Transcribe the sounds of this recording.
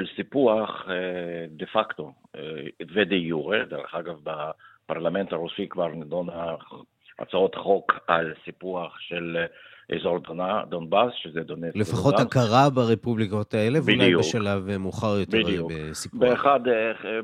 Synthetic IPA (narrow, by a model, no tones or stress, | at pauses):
elsipuaχ | d̪efakt̪o | ved̪ejuʁed̪eʁḛχaɡavbapaʁlament̪aʁusikvaʁned̪ona | a̰t͡saot̪aχokalsipuaχʃel | ʔḛzoʁd̪onad̪onbasʃezɛd̪onetlefaχoakaʁabaʁepublikot̪aelevbiljbeʃalavemuχaʁjot̪eʁubesipbueeχad̪